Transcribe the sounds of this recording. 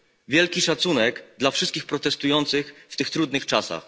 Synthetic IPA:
vʲjɛlkʲiʂat̪sunɛɡd̪lafʂɘst̪kʲixpɾɔt̪ɛst̪ujɔnt̪sɘxft̪ɘxt̪ɾud̪nɘxt͡ʂasa̰x

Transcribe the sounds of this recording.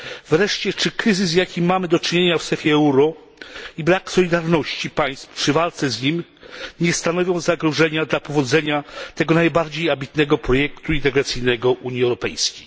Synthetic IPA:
vɾɛʂt͡ɕɛt͡ʂɘkɾɘzɘs̬jakʲimːamɘd̪ɔt͡ʂɨɲeɲafsɛfʲjɛɛuɾɔ | ibɾaksɔlʲid̪aɾnɔɕt͡ɕipaj̃st̪fpʂɘvalt̪sɛzɲimɲɛst̪anɔvʲjɔ̃w̃zaɡɾɔʐɛɲad̪lapɔvɔd̪zɛɲat̪ɛɡɔnajbaɾd͡ʑejabʲit̪nɛɡɔpɾɔjɛkt̪uint̪ɛɡɾat̪sɘjnɛɡɔʔuɲiɛwɾɔpɛjskʲej

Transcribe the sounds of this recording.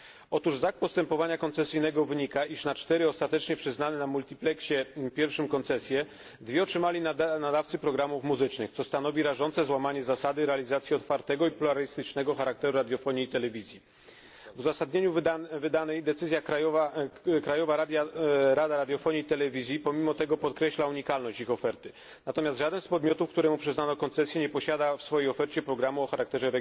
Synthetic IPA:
ɔt̪uʐzak̚pɔst̪ɛmpɔvaɲakɔnt̪sɛsɘjnɛɡɔvɘɲikaʔiʂnat͡ʂt̪ɛɾɘɔst̪at̪ɛt͡ʂɲɛpʂɘznanɘnamult̪ʲiplɛkɕɛpʲjɛɾfʂɘmkɔnt̪sɛsʲjɛ | d̪vʲɛɔtʂɘmalʲinad̪aftsɘpɾɔɡɾamufmuzɘt͡ʂnɘxt̪sɔst̪anɔvʲiɾaʐɔnt̪sɛzwamaɲɛzasad̪ɘɾɛalʲizat̪sʲjiɔt̪faɾt̪ɛɡɔipluɾalʲist̪ɘt͡ʂnɛɡɔxaɾakt̪ɛɾuɾad̪jɔfɔɲiːt̪ɛlɛvʲizʲji | vuzasad̪ɲeɲuvɘd̪anɛjd̪ɛt̪sɘzʲjakajɔakɾajɔvaɾad̪ʲjaɾad̪aɾad̪ʲjɔfɔɲiːt̪ɛlɛvʲizʲjipɔmʲimɔt̪ɛɡɔpɔt̪kɾɛɕlauɲikalnɔɕt͡ɕixɔfɛɾt̪ɘ | nat̪ɔmʲjast̪ʐad̪ɛnspɔd̪mʲjɔt̪ufkt̪uɾɛmupʂɛznanɔkɔnt̪sɛsʲjɛɲɛpɔɕad̪afsfɔjejɔfɛɾt͡ɕɛpɾɔɡɾamuɔxaɾak̚t̪ɛʐɛɾɛ

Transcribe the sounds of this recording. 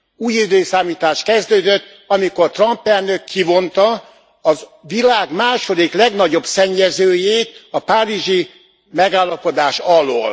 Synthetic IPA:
uːjid̪øːsaːmiːt̪aːʃt̪kɛzd̪øːd̪øt̪ː | ɒmiko̞rt̪rɒmpɛlnøkʰːivo̞nt̪ɒ | ɒzʋilaːɡmaːʃo̞d̪iklɛɡnɒɟo̞bsɛɲːɛzøːjeːt̪ɒpaːɾiʒi | mɛɡaːlːɒpo̞d̪aːʃɒlo̰ːl

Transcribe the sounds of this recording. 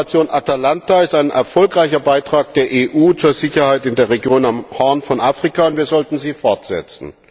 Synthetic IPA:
t͡sjoːnʔatalantaɪstaɪnʔɛ̰ɐfɔlkʁaɪçɐbaɪtʁ̥aːk̚d̥eːɐʔeːʔuːt͡suːɐzɪçɐhaɪtɪndeːɐʁeɡjoːnamhɛɐnfɔnʔaːfʁ̥ikaʊntv̥iːɐzɔltn̩ziːfɔɐtz̥ɛ̰t͡sn̩

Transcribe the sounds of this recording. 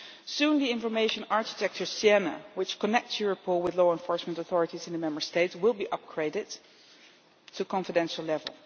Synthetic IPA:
sũnðiɪ̃nfə˞meɪʃə̃nɑɹkitʰɛk̚tə˞siɛnə̰wɪt͡ʃkənɛk̚tsjuɹəpʰɔlˠwɪðloʊɛ̃nfɔɹsmə̃ntɔθɔɹɨtizɪ̃nðəmɛ̃mbə˞steɪtswɪlˠbiʔʌp̚ɡ̥ʰɹeɪdɪt | ukʰɑ̃nfədɛ̃nʃl̩ˠlɛvə̰lˠ

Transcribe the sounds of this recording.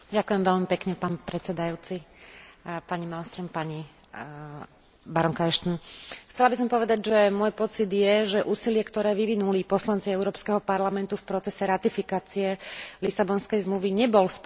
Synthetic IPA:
ɟakujɛmʋɛlmipɛkɲɛpaːnpɾɛt͡sɛd̪ajuːt͡si | paɲimalst̪ɾɔmpaɲi | baɾɔŋkajɛʃt̪nxt͡sɛlabis̬ɔmpɔʋɛd̪aɟʒɛmʊɔjpɔt͡sid̪jɛʒɛʔuːsilɪɛkt̪ɔɾɛːʋiʋinulipɔslant͡siɛʊɾɔːpskɛɦɔpaɾlamɛnt̪ufpɾɔt͡sɛsɛɾat̪ifikaːt͡siɛlisabɔnskɛjzmluʋiɲɛbɔlsp

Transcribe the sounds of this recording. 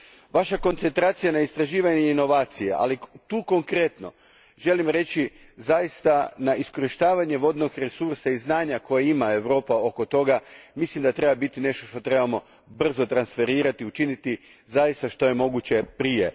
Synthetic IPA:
ʋaʃako̞nt̪se̞nt̪ɾaːt̪sijanaist̪ɾaʒiːʋaɲeino̞ʋaːt̪sijḛʔa̰lit̪uːko̞ŋkɾe̞t̪no̞̰ | ʒe̞limɾe̞t͡ɕi | zajist̪anaʔisko̞ɾiʃt̪aːʋaɲeʋo̞d̪noɡɾesuɾsaiznaːɲako̞jeimae̞ʋɾo̞ːpao̞kot̪o̞ɡamislimd̪at̪ɾe̞babit̪ine̞ʃt̪oʃt̪ot̪ɾe̞bamo̞ | br̩zo̞t̪ɾansfe̞ɾiːɾat̪iut͡ʃinit̪i | zajist̪aʃt̪o̞je̞mo̞ɡut͡ɕe̞pɾije̞

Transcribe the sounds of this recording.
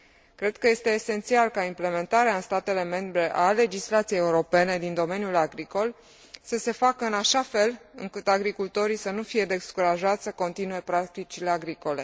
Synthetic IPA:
kɾe̞d̪̥kəje̞st̪e̞ːse̞nt̪sialkaimple̞me̞nt̪aɾeaɨnst̪at̪e̞le̞me̞mbɾe̞ʔale̞d͡ʒislat̪sijejeuɾo̞pe̞ne̞d̪ind̪o̞me̞nʲjulaɡɾiko̞l | səse̞fakəɨnaʃafe̞lɨŋkɨt̪aɡɾikult̪o̞ɾisənufije̞d̪e̞skuɾaʒat̪sʲsəko̞nt̪inue̞pɾak̚t̪it͡ʃile̞aɡɾiko̞le̞

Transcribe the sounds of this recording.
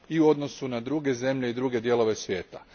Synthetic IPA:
iuo̞d̪no̞sunad̪ɾuːɡe̞ze̞mʎe̞id̪ɾuːɡe̞d̪je̞lo̞ʋe̞sʋʲje̞ːt̪a

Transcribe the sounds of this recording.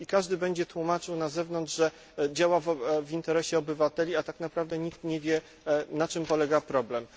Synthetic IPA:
ikaʐd̪ɘbɛɲd͡ʑɛt̪wumat͡ʂɘwnazɛvnɔnd͡ʐʐɛ | d͡ʑawavvʲint̪ɛɾɛɕɛɔbɘvat̪ɛlʲiat̪aknapɾavd̪ɛɲikt̪ɲɛvʲjɛ | nat͡ʂɘmpɔlɛɡapɾɔblɛm

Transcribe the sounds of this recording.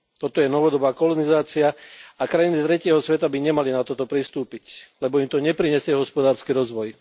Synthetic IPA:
t̪ɔt̪ɔjɛnɔʋɔd̪ɔbaːkɔlɔnizaːt͡siaakɾajinit̪ɾɛcɪɛɦɔsʋɛt̪abiɲɛmalinat̪ɔt̪ɔpɾist̪uːpiclɛbɔimt̪ɔɲɛpɾiɲɛsɪɛɦɔspɔd̪aːɾskiɾɔzʋɔj

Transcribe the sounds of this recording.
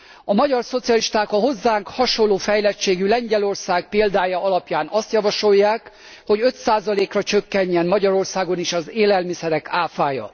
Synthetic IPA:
ɒmɒɟɒrso̞t̪sijɒliʃt̪aːkɒɦo̞zːaːŋkhɒʃo̞lːoːfɛjlɛt͡ʃːeːɡylɛɲɟɛlo̞rsaːɡ̚peːld̪aːjɒɒlɒpjaːnɒst̪jɒvɒʃo̞jːaːk | ho̞ɟø̞t̪saːzɒleːkrɒt͡ʃø̞kːɛɲːɛnmɒɟɒɾo̞rsaːɡo̞niʃɒzeːlɛlmisɛɾɛkaːfaːjɒ̰

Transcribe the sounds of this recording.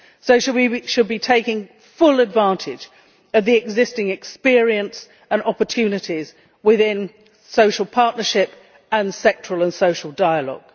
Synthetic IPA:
soʊʃəwiʃɨd̚bitʰeɪkɪ̃ŋ | fʊlˠədvæ̃ˑntʰɪd͡ʒ | ʌvðiɨɡzɪstɪ̃ŋɨkspɪɹiɨ̃ns | ə̃nɑpə˞tʰʉnɨɾiz | wɪðɪ̃n | soʊʃl̩ˠpʰɑɹʔⁿnə˞ʃɪp | ə̃nsɛk̚t͡ʃɹ̥əl̩ˠə̃nsoʊʃl̩ˠdaɪəlɔ̰ɡ̥

